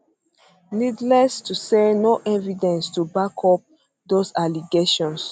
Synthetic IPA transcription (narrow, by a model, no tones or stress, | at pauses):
nidlɛstusɛnoʔɛvidɛ̃nstubakʰɔp̚ | dosaliɡeʃɔ̃ns